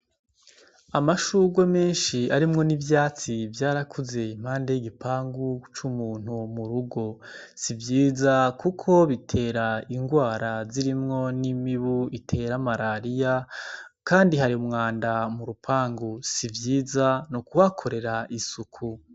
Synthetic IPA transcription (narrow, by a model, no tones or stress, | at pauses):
amaʃuɡweme̞ːnʃiaɾimŋo̞nivjaːt͡sivjaːɾakʰuze̞im̥haːndejiɡipʰaːŋɡut͡ʃumuːn̥humuɾuɡo̞ | sivjiːzakukʰo̞βitʰe̞ːɾaiŋɡwaːɾaziɾimŋo̞nimiβuitʰe̞ːɾamaɾaɾijakaːndiɦaɾiumŋaːndamuɾupʰaːŋɡusivjiːzanokuβakʰo̞ɾe̞ɾaʔisukʰu